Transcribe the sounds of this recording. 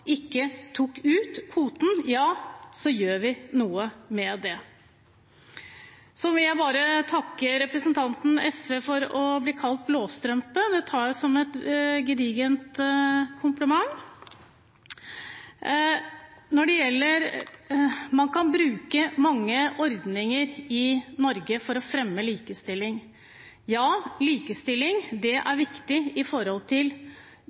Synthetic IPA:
ʔɪkːət̪ʰʊkːʉːt̪ʰfuːt̪n̩jɑːsɔjøːɾʋɪnuːəmɛd̪ɛ | sɔʋɪljæɪbɑːɾət̪ʰɑkːəɾɛpɾəsənt̪ʰɑnt̪n̩ɛsʋeːfɔɾɔbliːkʰɑlt̪̚bloːst̪ɾœmpəd̪ɛt̪ʰɑːɾjæɪsɔmɛt̪ɡɾiːɡənt̪kʰʊmpləmɑŋ | nɔɖɛjɛlːəɾ | mɑnkʰɑnbɾʉːkəmɑŋːəʔɔɾd̪nɪŋəɾɪnɔɾɡəfɔɾɔfɾɛmːəliːkəst̪ɪlːɪŋ | jɑːliːkəst̪ɪlːɪŋd̪ɛʔæɾʋɪkt̪ɪɪfɔɾhɔlt̪ʰɪl

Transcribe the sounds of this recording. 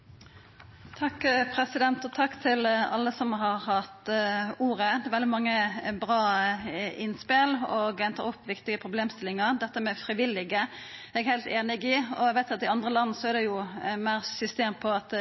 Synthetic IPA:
t̪ʰɑkːpʰɾɛsɪd̪ɛnt̪ɔt̪ʰɑkːt̪ʰɪlɑ̰lːəsɔmɦɑʁhɑt̪uːʁəd̪ɛʋɛld̪ɪmɑŋːəbʁɑː | ɪnspɪlɔɡɛnt̪ɑɾɔpːʋɪkt̪ɪɡəpʰʁʊbleːmst̪ɪlɪŋɑʁd̪ɛt̪ːəmɛfɾɪʋɪlːɪɡə | ɛɡhæɪlt̪eːnɪɡɪɔæɡʋæɪt̪jʊɑt̪ɪɑnd̪ʁəlɑnːsɔɛɾd̪ɛjʊmæɪʁsʏst̪eːnpʰɔɑt̪

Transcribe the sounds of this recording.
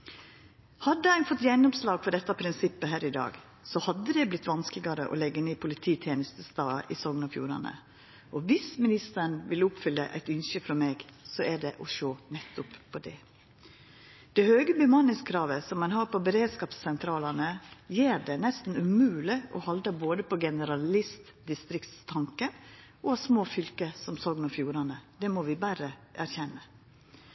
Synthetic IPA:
hɑd̪ːəæɪfɔt̪ːjɛnːʊmslɑːɡfɔɖɛt̪ːɑpʰɾɪnsɪpːəɦæːɾɪd̪ɑ̰ːɡ | sɔhɑd̪ːəd̪ɛblɪt̪ːʋɑnsklɪɡɑɾə̰ʔɔ̰lɛɡːəneːpʰʊlɪt̪ʰiːt̪ʰjeːnəst̪əst̪ɑːʔɪsɔŋnɑfjṵːɾɑ̰nə̰ | ʔɔʋɪsmɪnɪst̪əɳʋɪlʊpfʏlːəʔæ̰ɪt̪ʏnʃəfɾɔmeːɡsɔæɖɛʔɔʃoːnɛt̪ːʊppʰːɔd̪ɛ | d̪̥ɛhøːɡəbʏmɑnɪŋskʰɾɑːʋəsɔmːɑnhɑːɾpɔbəɾeːd̪skɑːpsːɛnt̪ʰɾɑːlɑnəjeːɾɖɛnɛst̪n̩ʉmʉːlɪʔɔ̰hɑld̪ɑboːd̪əpʰɔɡɛnəɾɑlɪst̪ | d̪ɪst̪ɾɪkt̪t̪ʰɑŋkə | ɔɑsmoːfʏlkəsɔmsɔːɡnɔfjuːɾɑnəd̪ɛmɔʋɪbæɾəʔæɾçɛnːə

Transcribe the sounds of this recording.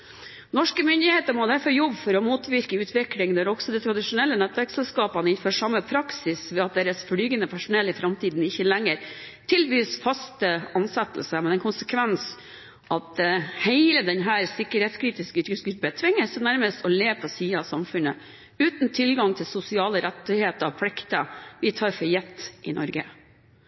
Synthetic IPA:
nɔʂkəmʏnd̪ɪheːt̪əɾmɔd̪æɾfɔɾjɔbfɔɾɔmuːt̪ʋɪɾkəʉːt̪ʰʋɪklɪŋd̪æɾɔksɔd̪ɛt̪ʰɾɑd̪ɪʂʊnɛlːənɛt̪ʋæɾksɛlskɑːpɑnɪnføːʂɑmːəpʰɾɑksɪsʋɛːɑt̪̚d̪eːɾəsflyːɡənəpʰæʂʊnɛlːɪfɾɑmt̪ʰiːd̪n̩ɪçːəlɛŋːəɾ | t̪ʰɪlbyːsfɑst̪əɑnsɛt̪ːl̩səmɛɛnkʰʊnsəkʰʋɛns | ʔɑt̪̚d̪ɛheɪləd̪ɛnɦæːɾsɪkːəɾheːt̪skʰɾiːt̪ɪskəʉt̪ɡʉt̪ɡʏɾpət̪ʰʋɪŋːəsnæɾməst̪ɔleːʋpʰɔsiːəɑsɑmfʉnːə | ʉːt̪n̩t̪ʰɪlɡɑŋt̪ʰɪlsʊsɪɑːləɾɛt̪ːɪheːt̪əɾɑpʰlɪkt̪əʋɪt̪ʰɑːɾfɔɾjɛt̪ːʔɪ̰nʔɔ̰ɾɡə̰

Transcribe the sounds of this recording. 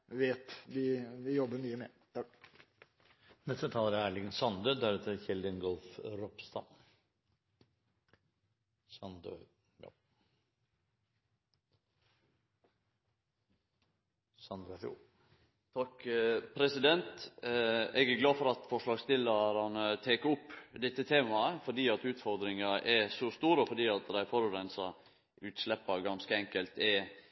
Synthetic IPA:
ʋeːt̪d̪ɪʋɪjɔbəmyːəmɛ | t̪ʰɑk | nɛst̪ət̪ʰɑːləɾæːɭɪɡənsɑnd̪ød̪æɾʉt̪ʰːɪlçɪld̪ənɡɔlfɾɔpst̪ɑ̰ | sɑnd̪ø̰ | jɑ̰ | n | t̪ʰɑkpʰɾɛsɪd̪ɛnt̪ | ɛɡæɾɡlɑːfɔɾɑt̪fɔʂlɑːɡst̪ɪləɾɑnət̪ʰeːkəʊpːd̪ɛt̪ːət̪ʰeːmɑəfɔɖiːɑt̪ʉːt̪fɔɾd̪ɾɪŋɑʔɛsɔst̪uːɾəɔfɔɖiːɑt̪d̪æɪfɔɾʉɾɛnsɑ | ʉːt̪slɛpːɑɡɑnskəɛŋkəlt̪ɛ

